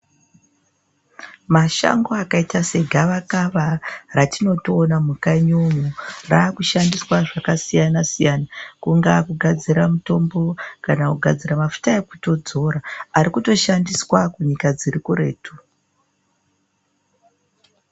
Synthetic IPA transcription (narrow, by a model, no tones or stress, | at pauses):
maʃa̰ŋɡo̞akaitase̞ɡʱaʋakaʋaratino̞toːnamukaɲomurakuʃandiswaʐakasijanasijanakuŋɡakuɡʱad͡ziɾamuto̞mbo̞kanakuɡʱad͡ziɾamafu̥taekuto̞d͡zo̞ɾaaɾikuto̞ʃandiswakuɲikad͡zirikuɾe̞̰ːtʰu